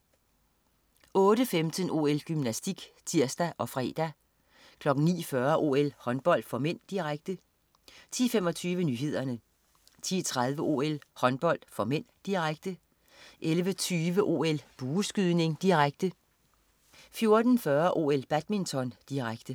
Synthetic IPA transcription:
ɔ̽ːɾəfemd̥ənʔo̝̰ːelɡ̥ymnæsd̥iɡ̥t͡sʰiɐ̰sd̥æʔɒ̽fʁɛ̰ːd̥æ | kʰlɒ̽ɡ̥n̩nḭːfɶɐʔo̝̰ːelhɒ̽nb̥ɒ̽l̰d̥fɒ̽men̰d̥iʁaɡ̥̚d̥ə | t͡sʰḭːfemɒ̽t͡sʰyːʋənyːɦe̝ð̞̰ˠɐnə | t͡sʰḭːt͡sʰʁað̞ˠʋəʔo̝̰ːelhɒ̽nb̥ɒ̽l̰d̥fɒ̽men̰d̥iʁaɡ̥̚d̥ə | ʔelʋət͡sʰyːʋəʔo̝̰ːelb̥uːsɡ̥yðˠne̝ŋd̥iʁaɡ̥̚d̥ə | fjo̝ɐd̥n̩fɶɐʔo̝̰ːelb̥æd̥mint͡sʰɒ̽nd̥iʁaɡ̥d̥ə

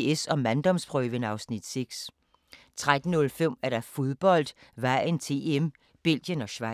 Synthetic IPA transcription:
esɒ̽mænd̥ɒ̽mspʰʁœːʋənɑ̈ʊsnid̥seɡ̥s | t͡sʰʁad̥n̩ːɔ̽lfem̰æɐɾ̥ɑ̈fo̝ðˠb̥ɒ̽l̰d̥ʋæɪənt͡sʰe̝̰ːem | b̥el̰j̥ənɒ̽ɕʋɑ

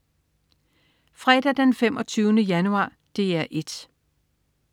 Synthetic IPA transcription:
fʁɛd̥æd̥enfemʔɒ̽t͡sʰyːʊnəjænuɑ̰̈ː | d̥e̝æɐʔe̝d̥

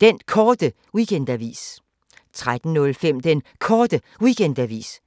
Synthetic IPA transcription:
d̥enkʰɒːd̥ə | wikʰend̥æʋḭːs | t͡sʰʁad̥n̩nɔ̽lfem̰d̥enkʰɒːd̥ə | wiɡ̥ʰend̥æʋḭːs

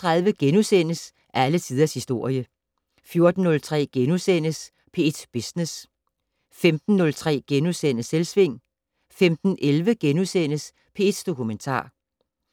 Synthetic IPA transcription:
t͡sʰʁɑ̈ðˠʋəɡ̥enusen̰əs | ʔælət͡sʰið̞ˠɐshisd̥o̝ɐ̰jə | fjo̝ɐd̥n̩ːɔ̽lt͡sʰʁɛ̰ːɡ̥enusen̰əs | pʰe̝ed̥b̥esnes | femd̥n̩ːɔ̽lt͡sʰʁɛ̰ːɡ̥enusen̰əselsʋe̝ŋ̰ | femd̥n̩ʔelʋəɡ̥enusen̰əs | pʰe̝e̝d̥d̥o̝kʰument͡sʰɑ̰̈ː

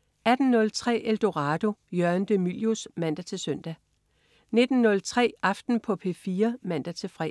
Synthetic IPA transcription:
æd̥n̩nɔ̽lt͡sʰʁɛ̰ːeld̥o̝ʁɑːd̥o̝jɶɐnd̥emiljosmæn̰d̥æt͡sʰe̝søn̰d̥æ | ne̝d̥n̩ːɔ̽lt͡sʰʁɛ̰ːɑ̈fd̥n̩pʰɒ̽pʰe̝̰fiːɐmæn̰d̥æt͡sʰe̝fʁɛ̰

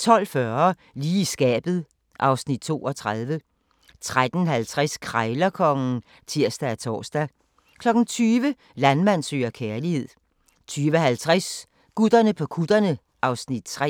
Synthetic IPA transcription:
t͡sʰɒ̽l̰fɶɐɐ | liːisɡ̥ɛ̰ːb̥ð̞̩ˠ | ʔɑ̈ʊsnid̥̚t͡sʰo̝̰ːɒ̽t͡sʰʁað̞ˠʋə | t͡sʰʁad̥n̩hælt͡sʰʁɛskʰʁɑ̈ɪlɐkʰɒ̽ŋn̩ | t͡sʰiɐ̰sd̥ææt͡sʰɒ̰ːsd̥æ | kʰlɒ̽ɡ̥n̩t͡sʰyːʋə | lænmæn̰sø̰ːɐkʰeɐlihe̝ð̞̰ˠ | t͡sʰyːʋəɦælt͡sʰʁas | ɡ̥ud̥ɐnəpʰɒ̽kʰud̥ɐnə | ʔɑ̈ʊsnid̥̚t͡sʰʁɛ̰

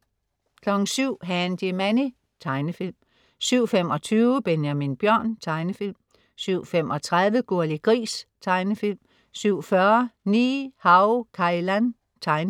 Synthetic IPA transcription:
kʰlɒ̽ɡ̥n̩syʊ̰ɦænd̥imæni | t͡sʰɑ̈ɪnəfil̰m | syʊ̰fem̰ɒ̽t͡sʰyːʊəb̥enjæminb̥jɶɐ̰nt͡sʰɑ̈ɪnəfil̰m | syʊ̰femʔɒ̽t͡sʰʁaðˠʋəɡ̥o̝ɐliɡ̥ʁḭːst͡sʰɑ̈ɪnəfil̰m | syʊ̰fɶɐniːhɑ̈ʊkʰɑ̈ilæn | t͡sʰɑ̈ɪnə

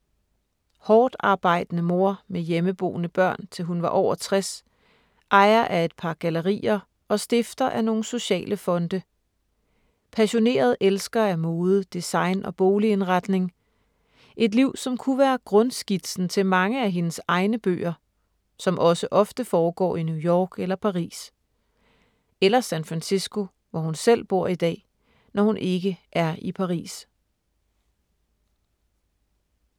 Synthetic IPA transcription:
hɒːd̥ɑ̈ːb̥ɑ̈ɪ̰d̥ənəmo̝ɐ̰mejeməb̥o̝̰ːnəb̥ɶɐ̰nt͡sʰe̝lɦunʋɑ̈ʔɒʊɐt͡sʰʁɛs | ʔɑ̈ɪɐʔæe̝d̥̚pʰɑ̈ɡ̥æləʁḭːɐ | ɒ̽sd̥e̝fd̥ɐʔæno̝ːn̩so̝ɕɛ̰ːlʔəfɒ̽nd̥ə | pʰæɕo̝ne̝̰ːɐð̞ˠʔelsɡ̥ɐæmo̝ːðˠəd̥isɑ̈ɪnʔɒ̽b̥o̝ːlie̝nʁɑd̥ne̝ŋ | ʔe̝d̥liʊ̰sɒ̽mkʰuʋæːɐɡ̥ʁɔ̽nsɡ̥id̥sn̩t͡sʰe̝lmɑ̈ŋəæɦe̝nəsɑ̈ɪnəb̥ø̰ːɐ | sɒ̽mʔɒ̽səʔɒ̽fd̥əfɒːɡ̥ɒ̰ːinjujɒ̰ːɡ̥elɐpʰɑ̈ʁḭːs | elɐsænfʁænsisɡ̥o̝ | ʋɒhunsel̰b̥o̝ɐ̰id̥ɛ̰ː | nɒhunʔe̝ɡ̥əʔæɐipʰɑ̈ʁḭːs

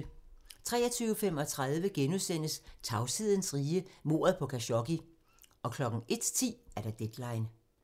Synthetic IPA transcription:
t͡sʰʁɛ̰ːɐt͡sʰyːʊəfem̰ɒ̽t͡sʰʁað̞ˠʋəɡ̥enuðˠsen̰əst͡sʰɑ̈ʊsið̞̰ˠn̩sʁiːəmo̝̰ːɐð̩ˠpʰɒ̽kʰæɕɒ̽ɡ̥i | ʔɒ̽kʰlɒ̽ɡ̥ŋ̩e̝d̥t͡sʰḭːæɐɾ̥ɑ̈d̥ed̥lɑ̈ɪn

